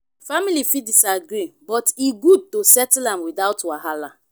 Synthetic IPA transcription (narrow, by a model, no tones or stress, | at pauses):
familifidisaɡɹibɔtiɡud̚tosɛtlãmwidaʊtwaɦala